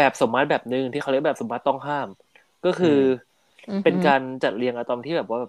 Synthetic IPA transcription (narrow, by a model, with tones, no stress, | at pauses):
bɛː˨˩p̚so˩˦mːa˦˥t̪̚bɛː˨˩p̚nɯ˧ŋt̪ʰiː˥˩xa˦˥l̚bɛː˨˩so˩˦mːa˦˥t̪ːɔ˥˩ŋɦaː˥˩m | kɔː˥˩kʰɯː˧ | pe˧nkaː˧nt͡ɕa˨˩t̪̚li˧əŋʔa˧t̪ɔː˧nt̪ʰi˥˩bɛː˨˩p̚waː˥˩ɛː˨˩